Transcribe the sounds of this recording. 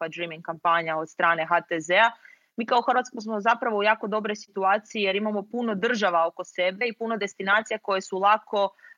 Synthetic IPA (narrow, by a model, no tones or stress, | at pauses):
padɾimiŋkampaɲao̞d̪st̪ɾaːne̞ɦat̪ezea | miːkaoxr̩ɾʋat̪skosmo̞zapɾaʋo̞ujaːko̞d̪o̞bɾo̞jsit̪uaːt̪sijije̞ɾimamo̞puno̞d̪r̩ʒaʋao̞ko̞se̞be̞ipuno̞d̪e̞st̪inaːt̪sijako̞je̞sulˠakʰo̞